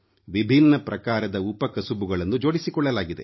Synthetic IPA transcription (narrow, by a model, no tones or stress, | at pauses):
ʋibʱinːɐpɾʔɐkaːɾɐd̪ɐupɐkɐsubuɡɐɭɐnːud͡ʒo̞ːɽisikɔɭːɐlaːɡid̪e